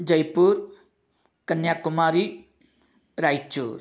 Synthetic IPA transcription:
d͡ʒəjpuɾ | kənjakumaɾi | ɾajt͡ʃṵɾ

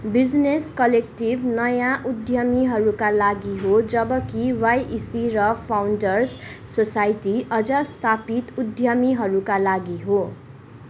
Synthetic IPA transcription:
bid͡zneskʌlek̚ʈibnʌjãʔud̪ʱjʌmiɦʌɾukalaɡiɦod͡zʌbʌkiwajʔisiɾʌpʰawɳɖʌrsːosajʈiʌd͡zʌst̪ʰapit̪ud̪ʱjʌmiɦʌɾukalaɡiɦo

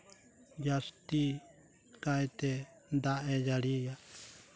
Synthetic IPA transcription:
jast̪i | kajt̪ɛ | d̪aʔed͡ʒaɽija

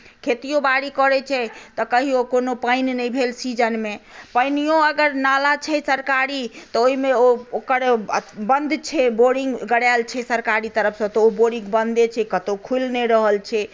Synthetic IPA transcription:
kʰet̪ijobaɽikəɾɛt͡ʃʰɛt̪ɔkəɦiokonopajnnəjbʱelsid͡ʒənmepəjnijoəɡəɾnalat͡ʃʰɛsəɾkaɾit̪ɔoimeookəɾbənd̪t͡ʃʰɛboɽiŋɡɡəɽalt͡ʃʰɛsəɾkaɾit̪əɾəpʰsə̃t̪ɔoboɽĩŋɡbənd̪et͡ʃʰɛkət̪okʰulneɾəɦəlt͡ʃʰɛ

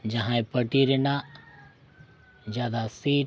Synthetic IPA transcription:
d͡ʒɐɦãẽpɐʈiɾena | d͡ʒjaːd̪asiː

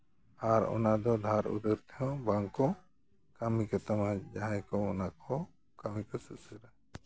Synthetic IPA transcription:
aɾɔ̰nad̪ɔd̪ʱaɾṵd̪əɾt̪ʰɛjɔ̃baŋkɔ | kamikɔt̪amad͡ʒaɦajkɔɔnakʰɔ | kamikɔsəʔsəɾa

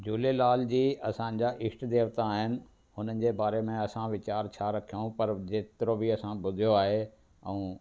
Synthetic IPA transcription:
d͡ʑuːlelaːld͡ʑiːɐsãɲ̆d͡ʑaʔɪsʈd̪eːʋt̪aaːɦɪnɪ̆ | ɦhʊnənɪ̆d͡ʑeːbaːɾemẽɐsãʋɪt͡ɕaːɾt͡ɕʰaɾɐkʰijoũpɐɾd͡ʑeːt̪ɪɾobiɐsãbʊd̪ʱijoaːɦe | ɛ̃ː

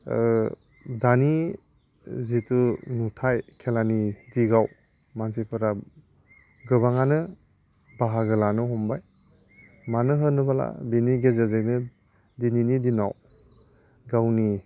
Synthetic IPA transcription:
dani | zitunutʰajkʰelanidiɡaw | mansipʰɯɾa | ɡɯbaŋanɯ | baɦaɡɯlanɯɦɔmbaj | manɯɦɯnɯbala̰biniɡezazenɯ | dininidinaw | ɡawni

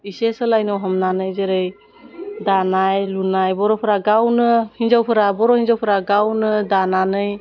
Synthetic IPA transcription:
isesɯlajnɔwɦɔmnanɯjzeɾɯj | danajlunajbɔɾɔpʰɯɾaɡawnɯhind͡ʒawpʰɯɾabɔɾɔhinzawpʰɯɾaɡawnɯdananɯj

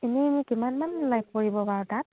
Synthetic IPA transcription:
enimikimanmanlajp̚ʰkoɹibɔbaɹɔtat̚

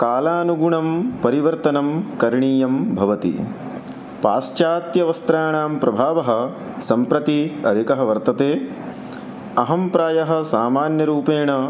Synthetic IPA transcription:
kaːlaːnuɡuɳɐmpɐɾiʋɐɾt̪ɐnɐmkɐɾɳiːjɐmbʱɐʋɐt̪ḭ | paːst͡ʃaːt̪jɐʋɐst̪ɾaːɳaːmpɾɐbʱaːʋɐɦɐ̆ | sɐmpɾɐt̪iɐd̪ʱikɐɦɐ̆ʋɐɾt̪ɐt̪eː | ɐɦɐmpɾaːjɐɦɐ̆saːmaːnjɐɾuːpeːɳɐ

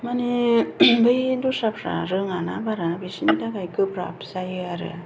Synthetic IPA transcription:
manibɯjndusapɾa̰ɾɯŋanabaɾabisinitakajkɯpɾa̰psajɯaɾɯ̰

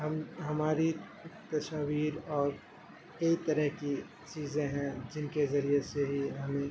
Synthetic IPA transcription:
ɦɐmɦɐmaːɾit̪ɐsaːʋiːɾɔːɾ | kɐit̪ɐɾəɦki | t͡ʃiːzẽɦɛ̃d͡ʒɪnkezɐɾieseɦiɦɐmẽ

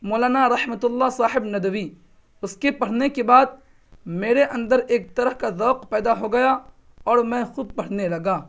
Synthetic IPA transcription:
moːlaːnaɾɐhmət̪ʊlːasaːħɪbnɐd̪əwi | ʊskepɐɽ̤nekebaːd̪̚ | meːɾeʔɐ̃nd̪əɾeːk̚t̪ɐɾəhkazɔːqpɛːd̪aɦoɡɐja | ɔːɾmɛ̃xʊd̪̚pɐɽ̤nelɐɡaː

